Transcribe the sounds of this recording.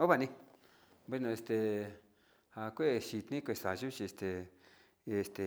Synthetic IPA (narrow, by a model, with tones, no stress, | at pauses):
o˦βa˧˨nĩ˧ | be˧nõ˧e˧st̪e˧ | ha˨kʷe˦˨ʃi˧t̪nĩ˦kʷe˧˨˧sa˨ʒu˦t͡ʃi˧e˧st̪e˨˧ | e˨˧˨st̪e˨